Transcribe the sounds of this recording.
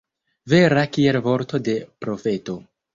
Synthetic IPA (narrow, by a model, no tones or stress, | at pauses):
ve̞ɾakielvo̞ɾto̞de̞pɾo̞fe̞to̞